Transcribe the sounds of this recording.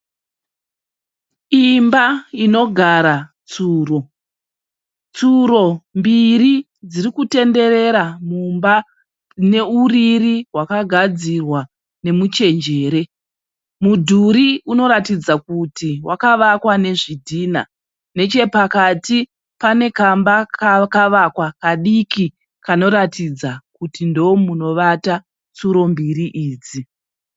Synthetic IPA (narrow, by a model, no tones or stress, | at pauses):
imbaino̞ɡʱaɾa | t͡suːro̞ | t͡suɾo̞mbiri | d͡ziɾikute̞nde̞ɾe̞ɾamumba | ne̞uririwakaɡʱad͡zirwa | ne̞mut͡ʃe̞nd͡ʒe̞ːɾe̞ | mudʱuɾiuno̞ɾatid͡zakutiwakaʋakwane̞ʐidʱiːna̰ | ne̞t͡ʃe̞pakati | pane̞kambakkaʋakwakaɗiki | kano̞ɾatid͡zakutindoomuno̞ʋata | t͡suɾo̞mbiriʔiːd͡zi